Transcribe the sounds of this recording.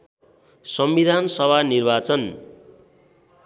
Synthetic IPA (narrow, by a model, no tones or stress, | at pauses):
sʌmbid̪ʱansʌbʱanirbat͡sʌn